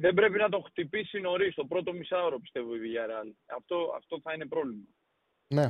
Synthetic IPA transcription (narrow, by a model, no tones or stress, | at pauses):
ðe̞bɾe̞pinɐt̪o̞xt̪ipisino̞ɾist̪o̞pɾo̞t̪o̞misɐoɾopi̥st̪e̞voiviʝɐɾɐlɐ̰ft̪o̞ɐ̰ft̪o̞θɐine̞pɾo̞vlimɐ | ne